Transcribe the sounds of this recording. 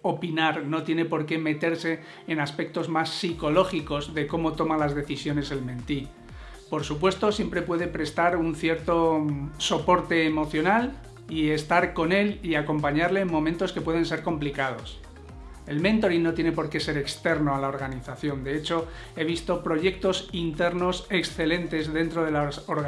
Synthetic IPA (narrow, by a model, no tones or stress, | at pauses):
o̞pinaɾno̞t̪je̞ne̞po̞ɾke̞me̞t̪e̞ɾse̞ː | naspe̞k̚t̪o̞zmasːiko̞lo̞xiko̞zðe̞ko̞mo̞t̪o̞malazðe̞θisjo̞ne̞se̞lmẽ̞nt̪i | po̞ɾsupwe̞st̪o̞sje̞mpɾe̞pweðe̞pɾe̞st̪aɾunθje̞ɾt̪o̞so̞po̞ɾt̪e̞ːmo̞θjo̞nal | ie̞st̪aɾko̞ne̞liako̞mpaɲaɾle̞ːmmo̞mẽnt̪o̞ske̞pwe̞ð̞e̞ns̬e̞ɾko̞mplikað̞o̞̰s | e̞lmẽ̞nt̪o̞ɾinnːo̞t̪je̞ne̞po̞ɾke̞se̞ɾe̞kst̪e̞ɾno̞alao̞ɾɣaniθaθjo̞nd̪e̞et͡ʃo̞ | e̞β̞ist̪o̞pɾo̞ʝe̞k̚t̪o̞sint̪e̞ɾno̞se̞ksθe̞le̞nt̪e̞zðe̞nt̪ɾo̞ð̞e̞lasoɾɣ